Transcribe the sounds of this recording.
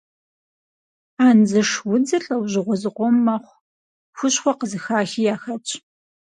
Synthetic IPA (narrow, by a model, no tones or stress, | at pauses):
aːnzɨʂwʊd͡zɨɬʼɐwʑɪʁʷɔzɨqʷɔmːɐχʷ | xʷʊɕχʷɔqəzɨxaːxiːjaːxɐt͡ʃʼ